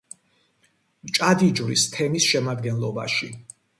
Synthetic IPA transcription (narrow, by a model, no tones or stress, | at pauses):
mt͡ʃʼad̪id͡ʒvɾḭst̪ʰɛmisʃɛmad̪ɡɛnlˠɔba̰ʃi